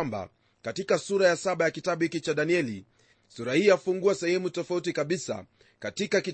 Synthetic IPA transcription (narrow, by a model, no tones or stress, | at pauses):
mba̰ | katikasuɾajasaɓajakitaɓuhikit͡ʃaɗaniɛli | suɾahiːjafuŋɡuasɛhɛmutɔfautikaɓisa̰ | katikaki